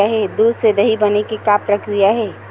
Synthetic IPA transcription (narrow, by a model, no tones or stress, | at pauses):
aɦɛːd̪uːd̪sed̪ɐɦibɐnekikapɾɐkɾijaɦɛː